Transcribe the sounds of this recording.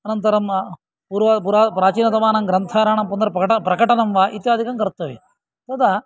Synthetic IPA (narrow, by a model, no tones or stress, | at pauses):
ɐnɐnt̪ɐɾɐm | puːɾʋɐp̬uɾaːpɾaːt͡ʃiːnɐt̪ɐʋaːnɐŋɡɾɐnt̪ʰaːɾaːɳɐmpund̪ɐɾɐpɐɐʈɐpɾɐkɐʈɐnɐmʋaːʔit̪jaːd̪ʱikɐmkɐɾt̪ːɐʋe | t̪ɐd̪a